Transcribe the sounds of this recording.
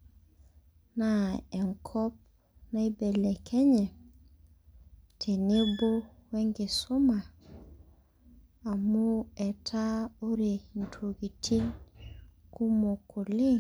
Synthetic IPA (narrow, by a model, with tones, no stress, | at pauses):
na˨e˨ŋkʰɔ˦p̚ | na˦i˦be˨le˨kʰe˦ɲe˨ | tʰe˨ne˦bo˦we˦ŋɡe˨su˦ma˨ | mu˦e˨tʰa˦o˦ɾe˨n˨tʰo˨ɡi˨tʰi˦n | ku˦mo˨kʰu˨li˦